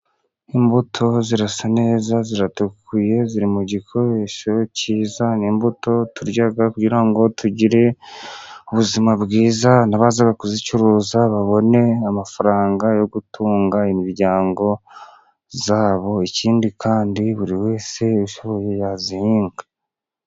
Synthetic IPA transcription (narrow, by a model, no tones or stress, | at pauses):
imbutʰo̞ziɾasane̞ːzaziɾatukʰuje̞ziɾimuɟikʰo̞ɾeʃo̞ciːzanimbuto̞tuɾɟaɡakuɟiɾaŋɡo̞tuɟiɾe̞ | uβuzimabɡiːzanaβazaɡakuzicuɾuːzaβaβo̞ne̞amafaɾaːŋɡajo̞ɡutʰuːŋɡaimiɾɟaːŋɡo̞ | zaːβo̞iciːndikʰaːndiβuɾiwe̞ːse̞uʃoβo̞je̞jazihiːŋɡa